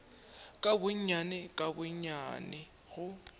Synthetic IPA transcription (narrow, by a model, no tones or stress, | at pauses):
kʼabʊɲɲanɛkʼabʊɲa̰nɛ | ɣʊ